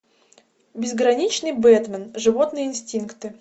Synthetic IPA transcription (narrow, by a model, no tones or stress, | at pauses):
bʲɪzɡɾɐnʲit͡ɕnɨjbɛt̪mʲənʐɨvot̪nɨjəɪnsʲtʲinkt̪ɨ